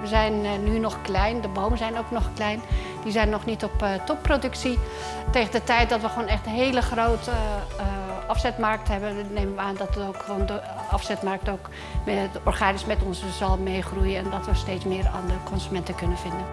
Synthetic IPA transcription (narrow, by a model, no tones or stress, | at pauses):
ʋəzɛjnːynɔχklɛjndəbowməzɛjnowknɔχklɛjn | dizɛjnːɔχnitɔptɔpːrodɵksi | tejχəndətɛjt̚dɔtʋəχʋoːnɛχtənɦejləχrowt | ɑfsɛtmɑɹk̚tɦɛbənnejməʋəaːndɔtowkʋondəɑfsɛtmɑɹk̚towk | mɛɔɹχaːnɪsmɛtɔnzəzɑlˠmejχrujəɛndɔtʋəsteːtsmɪːra̰ːndəkʰɔnzymɛntəkɵnənv̥ɪndən